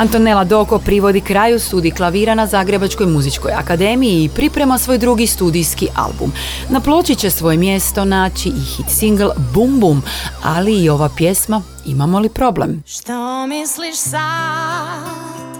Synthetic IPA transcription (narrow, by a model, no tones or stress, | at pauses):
ant̪one̞lad̪o̞ko̞pɾiʋo̞d̪ikɾaːjust̪uːd̪iklˠaʋiːɾanazaːɡɾe̞bat͡ʃko̞jmuzit͡ʃko̞ja̰kad̪e̞ːmijiːpɾipɾe̞masʋo̞jd̪ɾuɡist̪uːd̪ijskiʔa̰lˠbṵm | naplˠo̞ːt͡ʃit͡ɕe̞sʋo̞je̞mje̞st̪o̞naːt͡ɕiixit̪siŋɡlˠbumbuma̰liːo̞ʋapje̞sma | imamo̞lipɾo̞ble̞̰mʃt̪omisliʃsa